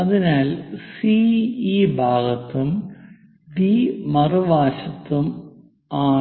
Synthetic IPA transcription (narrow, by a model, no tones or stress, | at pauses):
ɐðinaːlsiibʱaːɣɐt̪ːum | bimɐruʋaːɕɐt̪ːum | aː